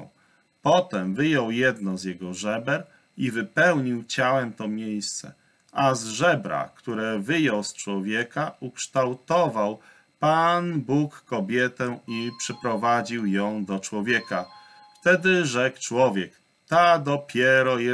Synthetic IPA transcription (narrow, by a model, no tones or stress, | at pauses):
pɔt̪ɛmvɘjɔwjɛd̪nɔzjɛɡɔʐɛbɛɾ | ivɘpɛwɲiwt͡ɕawɛmt̪ɔmʲjejst̪sɛ̰ | ʔazʐɛbɾa̰kt̪uɾɛvɘjɔwst͡ʂwɔvʲjɛkaʔukʂt̪awt̪ɔvaw | panbukːɔbʲjɛt̪ɛipʂɛpɾɔvad͡ʑiwjɔ̃w̃d̪ɔt͡ʂwɔvʲjɛka | ft̪ɛd̪ɘʐɛkt͡ʂwɔvʲjɛk | t̪ad̪ɔpʲjɛɾɔjɛ